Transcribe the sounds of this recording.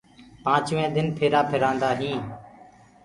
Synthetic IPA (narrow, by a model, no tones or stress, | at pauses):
pãːt͡ʃʋẽːd̪ɪnpʰeːɾaːpʰɪɾãːnd̪aːɦĩː